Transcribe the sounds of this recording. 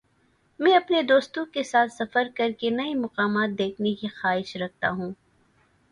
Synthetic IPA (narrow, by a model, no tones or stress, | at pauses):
mɛ̃ːɐpned̪oːst̪õkesaːt̪ʰsɐfəɾkɐɾkenɐimɐqaːmaːt̪̚d̪eːkʰnekixaːɦɪʃɾɐk̚t̪a̰ɦũː